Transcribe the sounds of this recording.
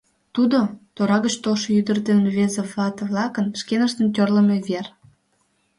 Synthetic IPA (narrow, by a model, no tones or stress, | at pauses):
t̪ud̪ot̪oɾɑɣət͡ɕt̪olʃojyd̪ərt̪enβezeβlɑt̪əβlɑkənʃkenəʃt̪ənt̪̬ʲørlə̆meβer